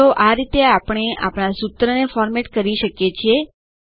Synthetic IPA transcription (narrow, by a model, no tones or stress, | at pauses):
oʔaɾit̪eapɳ̃eʔa̰pɳ̃asut̪ɾənefɔɾmeʈkəɾiʃəkjet͡ʃʰie